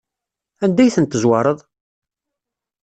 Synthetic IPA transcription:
ænd̪æjθənt̪ːəzwɑɾˤəðˤ

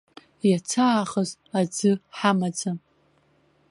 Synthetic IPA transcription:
jat͡sʰaːχəz | ad͡zɨħamad͡za

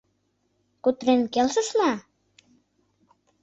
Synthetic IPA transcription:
kut̪ɾenkelsə̆ʃlɑ

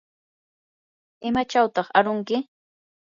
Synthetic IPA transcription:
ɪmat͡ʃawt̪ɑχaɾʊŋkɪ

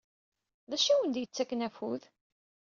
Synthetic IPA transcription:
ðæʃæwənd̪jət͡sːækːnæfuð

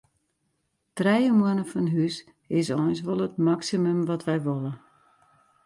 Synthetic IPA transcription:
trɛjəmənəfɔnɦys | ɪs̬ɔjns̬ʋɔlˠətmaksimymʋɔtʋɛjʋolə

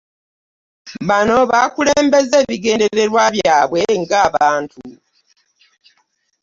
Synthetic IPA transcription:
βano̞βakuleːmbe̞ze̞ːβiɡe̞ːnde̞ɾe̞ɾwaβjaːβwe̞ŋɡaːβaːntʰu

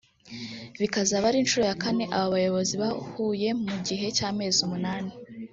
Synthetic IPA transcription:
βikazaβaɾinʃuɾo̞jakane̞ʔaβaβajo̞βo̞ziβahuːje̞muɟiɦe̞caːme̞ːzumunaːni

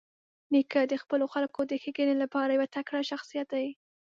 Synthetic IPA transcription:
nikad̪əxpəloxalkod̪əxeɡənelapɑɾajawat̪akɽaʃaxsijat̪̚d̪ai

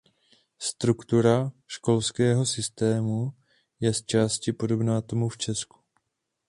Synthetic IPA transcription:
st̪ɾukt̪uɾaʃko̞lskɛːɦo̞sɪst̪ɛːmu | jɛst͡ʃaːscɪpo̞do̞bnaːt̪o̞muft͡ʃɛsku̥

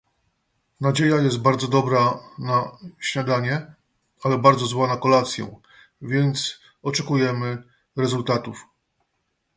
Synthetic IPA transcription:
nad͡ʑejajɛst̪̚baɾd̪zɔd̪ɔbɾanaɕɲad̪aɲɛ | alɛbaɾd̪zɔzwanakɔlat̪sʲjɛ̰̃ | vʲjɛnt̪s | ɔt͡ʂɛkujɛmɘ | ɾɛzult̪at̪uf

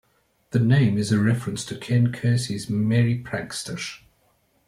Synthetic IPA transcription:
ðənẽɪ̃mɪzəɹɛfɹə̃nstʰəkʰɛ̃nkʰɜˑsizmɛɹipʰɹ̥ãkstəʃ

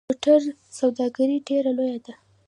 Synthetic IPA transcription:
oʈaɾ | sawd̪ɑɡaɾiɖeɾalojad̪a

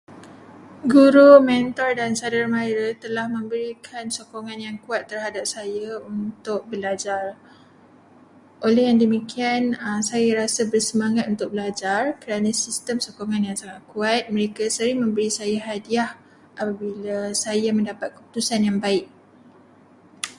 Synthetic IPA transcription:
ɡuɾumɛnt̪ɔrdansadərmaɾət̪əlahmə̃mbəɾikʰansokoŋanjaŋkuat̪ːərhadap̚sajaunt̪ʊk̚bəlad͡ʒar | ʔolɛhjaŋdəmikianəmsajaɾasabərsəmaŋat̪unt̪ʊk̚bəlad͡ʒarkəɾanãsist̪əmsokoŋãnjaŋsaŋaʔ̪̚kuat̪̚mə̃ɾekasəɾɪŋmə̃mbəɾisajaɦadiah | ʔapabilasajamə̃ndapat̪̚kə̥p̚u̥t̪usanjaŋbaɪk̚

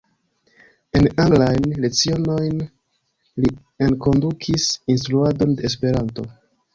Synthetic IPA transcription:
e̞naŋɡlajnle̞t͡sio̞no̞jn | li | enko̞ndukʰisinstɾuado̞nde̞ːs̬pe̞ɾanto̞

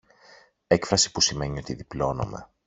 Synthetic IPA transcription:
e̞kfɾɐsi̥pusime̞ɲio̞t̪iðiplo̞no̞̰me̞̰

